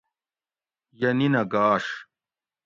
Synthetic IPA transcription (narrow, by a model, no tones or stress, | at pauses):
jɐninɐɡaːʂ